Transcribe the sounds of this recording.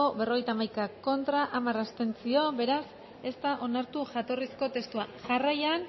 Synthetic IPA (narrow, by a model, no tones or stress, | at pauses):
oβe̞ro̞ɣ̞ejt̪amajkako̞nt̪ɾaʔamarast̪e̞nt͡sio̞be̞ɾas | e̞st̪aʔo̞naɾt̪uʝat̪o̞risko̞t̪e̞st̪uaʝarajan